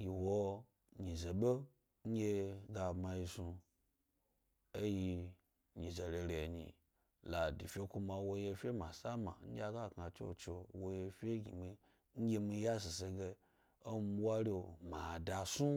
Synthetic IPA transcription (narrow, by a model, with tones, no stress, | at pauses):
ji˨wo˧ | ɲi˨ze˨ɓe˦ | ŋ̩˦ɡʲe˧ɡa˧ma˧ji˧su˧ | e˦ji˧ | ɲi˨ze˨ɾe˧ɾe˨ɲḭ̃˨ | la˨di˨fʲe˦ku˧mã˧wo˧je˧fʲe˦ma˨sa˦ma̰˨ŋ̩˦ɡʲa˧ɡa˦˨ka˨t͡ʃo̰˦˨t͡ʃe˧wo˧je˧fʲe˦ɡi˨mi˧ | ŋ̩˦ɡʲe˧mi˧˦ja˦s̬i˨se˧ɡe˧ | o˦wa˦ɾe˦o˨ma˨da˧su˦